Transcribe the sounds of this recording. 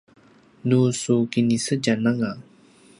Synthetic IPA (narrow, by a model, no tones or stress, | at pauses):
nusukinisəd͡ʑanaŋa